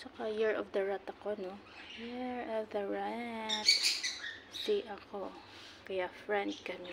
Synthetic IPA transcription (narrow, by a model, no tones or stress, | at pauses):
t͡ʃɐkajɪɹʔɔvd̪ɐɹat̪ɐkono | jɪɹɔvd̪ɐɹat̪ | d̪iʔɐko | kɐjafɹɛnd̪̚kɐmi